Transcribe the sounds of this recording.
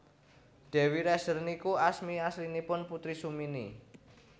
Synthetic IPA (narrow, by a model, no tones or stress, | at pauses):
ɖ̥ɛ̤wiɾɛsərnikuasmiaslinipʊnput̪ɾisuminḭ